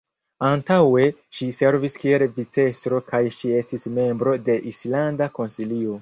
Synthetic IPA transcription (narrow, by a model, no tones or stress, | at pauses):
antawe̞ʃise̞ɾviskielvit͡se̞stɾo̞kajʃie̞stisme̞mbɾo̞de̞ʔislandako̞nsilio̞